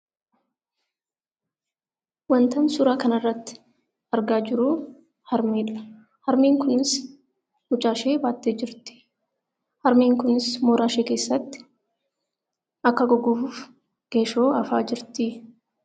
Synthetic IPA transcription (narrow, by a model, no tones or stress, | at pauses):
wɐnt̪ɐnsʊɾaːkɐnɐrːɐt̪ːɪ̥ | ɐɾɡaːd͡ʒɪɾuː | hɐɾmiːᶑɐ̥ | hɐɾmiːŋkʊnɪs | mʊt͡ʃʼaːʃeːbaːt̪ːeːd͡ʒɪɾt̪ɪ̥ | hɐɾmiːŋkʊnɪsmoːɾaːʃeːke̞ːsːɐt̪ːɪ̥ | ʔɐkːɐɡɔɡuːfuːf | ɡ̥eːʃoːɐfa̰ːd͡ʒɪɾt̪ɪ